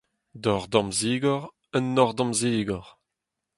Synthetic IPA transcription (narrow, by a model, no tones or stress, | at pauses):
d̪ɔʁd̪ɑ̃mziːɡɔʁ | ənːɔʁd̪ɑ̃mziːɡɔʁ